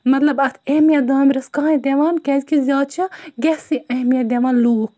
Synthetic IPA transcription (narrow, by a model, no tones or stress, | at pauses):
mɐt̪lɐbɐt̪ʰeːmijɐd̪aːmɾʲɐskɐːɦẽd̪ʲeʋaːnkɛzʲkizʲjaːd̪̚t͡ʃʰɐɡesiʔɐhmijɐd̪ʲeʋaːnluːk̚